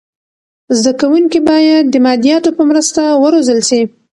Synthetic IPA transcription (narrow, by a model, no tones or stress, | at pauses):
zd̪akawuŋkibɑjad̪ːəmɑd̪ijɑt̪opəmɾəst̪awəɾozəlsi